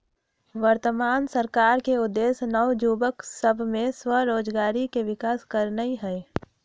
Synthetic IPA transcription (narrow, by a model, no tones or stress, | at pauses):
ʋəɾt̪əmaːnsəɾkaːɾkeʊd̪ːeːsnəwd͡ʒuːbəksəbʱmẽswəɾoːd͡ʒɡaːɾikeʋɪkaːskəɾnəiɦɛː